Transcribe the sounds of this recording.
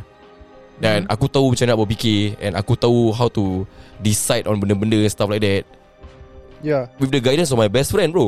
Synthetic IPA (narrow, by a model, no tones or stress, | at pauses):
dɛ̃nʔa̰kut̪aumə̃t͡ʃãmnaʔbɔpikeɛ̰̃na̰kut̪auɦawt̪udisajdɔ̃nbə̃ndəbəndəɛ̃nst̪aflajk̚dɛt̚ | jawifdəɡajdə̃nsɔmajbɛstfɹɛ̃nbɹo